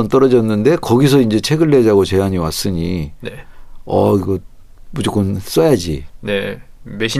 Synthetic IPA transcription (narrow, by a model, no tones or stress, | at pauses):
ʌnt͈ʌɾʌd͡ʑʌnːɯnde̞kʌɡis̬ʰʌind͡ʑe̞t͡ɕʰe̞ɡɯɭːe̞d͡ʑaɡot͡ɕe̞ɦaɲiwa̰s͈ɯɲineʌ̰iɡʌ | mud͡ʑok͈ːons͈ʌjad͡ʑḭne | meɕʰi